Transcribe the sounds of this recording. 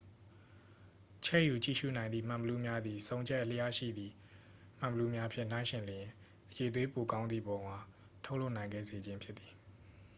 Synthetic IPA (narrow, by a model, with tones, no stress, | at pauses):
t͡ɕʰɛ˦ʔju˨t͡ɕḭ˦˨ʃṵ˦˨nã˨ɪ̃nd̪ḭ˦˨m̥ã˨mbəlu˦mja˦d̪ði˨sõ˦ʊ̃ɲd͡ʑɛ˦ʔəl̥ə˦ja˦ʃḭ˦˨d̪ði˨ | m̥ã˨bəlu˦mja˦pʰjɪ̃˦˨n̥ã˦ɪ̃ʃɪ̃˨ljɪ̃˨ | ʔəje˨t̪we˦po˨kã˦ʊnd̪ðḭ˨bɔ˨ŋwa˨ | tʰo˦ʊʔlo˦ʊnã˨ɪ̃ŋɡɛ̰˦˨ze˨d͡ʑɪ̃˦mpʰjɪ˦t̪t̪ːi̥˨